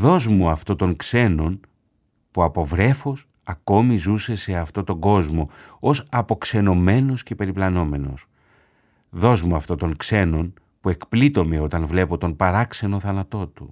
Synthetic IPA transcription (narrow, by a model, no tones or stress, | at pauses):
ðo̞zmuɐft̪o̞t̪o̞ŋkse̞no̞n | puɐpo̞vɾe̞fos | ɐko̞mizuse̞se̞ɐft̪o̞t̪o̞ɡo̞zmo̞osɐpo̞kse̞no̞me̞no̞sce̞pe̞ɾiplɐno̞me̞no̞s | ðo̞zmuɐft̪o̞t̪o̞ŋkse̞no̞n | pue̞kplit̪o̞me̞o̞t̪ɐnvle̞po̞t̪o̞npɐɾɐkse̞no̞θɐnɐt̪o̞t̪u